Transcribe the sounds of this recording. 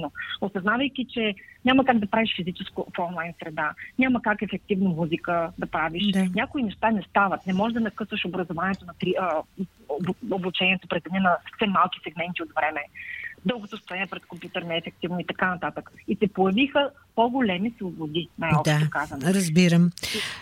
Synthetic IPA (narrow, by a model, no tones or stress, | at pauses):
noosɐznavəjkʲit͡ʃɛɲʲamɐkaɡ̚d̪ɐpɾaviʃfizit͡ʃɛskofɔnlˠajnsɾɛd̪anʲaməkakɛfɛk̚t̪ivnomuzikəd̪ɐpɾaviʃɲʲakʊinɛʃt̪anɛst̪avət̪nɛmɔʒɛd̪ɐnɐkɤsvəʃobɾəzʊvanʲiɛt̪onɐt̪ɾiə | obut͡ʃɛniɛt̪opɾɛzɛnɛnɐsfsɛmːalˠki̥sɛɡmɛnt̪iot̪vɾɛmɛd̪ɤlˠɡot̪ost̪oɛniɛpɾɛt̪kompʲjut̪əɾnɛːfɛk̚t̪ivnoit̪ɐkanɐt̪at̪əkisɛpojɛvixə | poɡolɛmislˠobod̪inajɔpd̪t̪okazɐnɾəzbiɾəm